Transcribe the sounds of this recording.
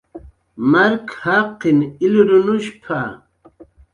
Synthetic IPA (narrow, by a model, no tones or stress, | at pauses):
maɾkhaqːiniliɾunuɕpʰa̰